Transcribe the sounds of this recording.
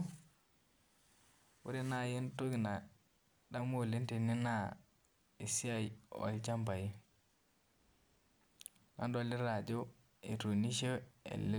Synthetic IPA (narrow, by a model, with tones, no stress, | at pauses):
wṵ˦ɾi˦na˦˨ji˦ntu˦ɡi˨na˨ | da˦mo˦˨li˦nti˨ni˦na˦˨ | i˨si˦a˦˨jo̰˨lt͡ʃa˦mba˨ji˦ | na̰˦ndo˦˨li˦ɾa˨d͡ʒu˦ | ḛ˨tu˨ni˦ʃe˦ḛ˨li˦